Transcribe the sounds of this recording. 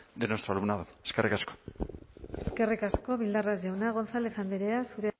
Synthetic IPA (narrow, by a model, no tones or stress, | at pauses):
d̪enost̪ɾalumnaðueskerikasko̥ | eske̞rikasko̞βild̪arazʝawnaɣ̞o̞nsale̞fand̪eɾeasuɾe